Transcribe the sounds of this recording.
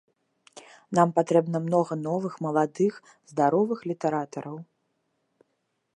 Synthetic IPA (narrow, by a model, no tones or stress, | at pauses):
nampat̪ɾɛbnɐmn̪ɔɣɐnɔvɨxmɐlˠad̪ɨx | zd̪aɾɔvɨxlʲit̪ɛɾat̪ɐɾɐw